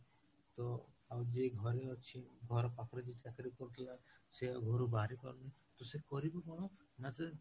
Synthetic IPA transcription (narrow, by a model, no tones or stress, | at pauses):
t̪ɔ | awd͡ʒeɡʱɔɾeɔt͡ʃʰiɡʱɔɾɔpakɔɾɔd͡ʒit͡ʃakɾikɔɾut̪ʰilaseɡʱoɾubaɾikɔ̰ɾɔnit̪ɔsekɔɾibɔkɔɽ̃ɔnase